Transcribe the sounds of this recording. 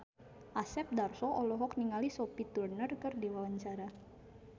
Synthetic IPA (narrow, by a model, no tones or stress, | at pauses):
ʔasɛp̚darsɔʔɔlɔɦɔk̚niŋalisopit̪urnərkərdiwawaɲt͡ʃaɾa